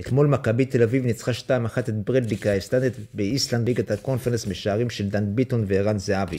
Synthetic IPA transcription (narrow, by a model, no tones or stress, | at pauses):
et̪mo̞lmakabit̪e̞lavivnit͡sχaʃtaimaχat̪et̪bʁedlikaeslanet̪beisland̪liɡat̪ako̞nfeʁensmeʃaːʁimʃeld̪and̪bit̪onveːʁanzeavi